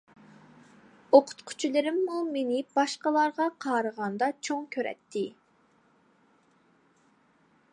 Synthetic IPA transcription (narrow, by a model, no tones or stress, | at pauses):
oqʰʊ̥t̪qʰʊ̥t͡ʃʰilˠɨɾɪmːumenɪb̥ɑʃqəlˠɑɾʁɑqʰɑːɾəʁɑnd̪ɑt͡ʃʰoŋkʲʰøɾɛ̰t̪ʰːɪ